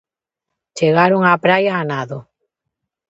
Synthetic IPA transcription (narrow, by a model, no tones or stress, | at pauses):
t͡ʃeɣaɾoŋapɾajaːnaðo